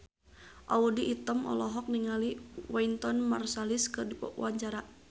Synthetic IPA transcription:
ʔaudiʔːt̪əmʔɔ̰lɔɦɔk̚niŋaliwaint̪ɔnmarsaliskɨrdipɔ̰uwaɲt͡ʃaɾa

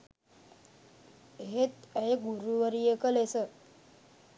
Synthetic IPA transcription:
ɦet̪əeɡuɾuʋəɾijekəlesə

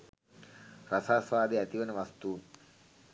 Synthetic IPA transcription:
rasaːsʋaːd̪eæt̪iʋənəʋast̪uːn

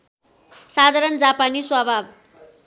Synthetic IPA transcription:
sad̪ʱaɾʌnd͡zapaniswʌbʱab

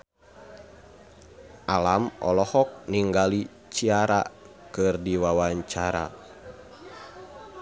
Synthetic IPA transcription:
ʔalamʔɔ̰lɔhɔk̚niŋɡali | t͡ʃiaɾa̰ | kɨrdiwawaɲt͡ʃaɾa̰

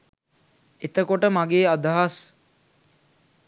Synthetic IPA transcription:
et̪əkoʈəmaɡeːad̪aɦas

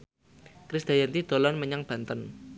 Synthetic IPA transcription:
kɾisd̪̥ajɛnt̪id̪̥o̤lɔnməɲaŋb̥a̤nt̪ən

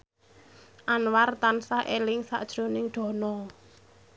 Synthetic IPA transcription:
ʔanwart̪ansaʔelɪŋsa̰ʔd̥ʒ̥ɾo̤nɪŋɖ̪̥ɔ̤nɔ

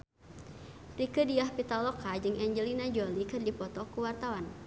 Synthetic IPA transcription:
rikədiahpit̪alɔkad͡ʒɨŋɛɲd͡ʒəlinad͡ʒɔlikɨrdipɔt̪ɔkuwart̪awan

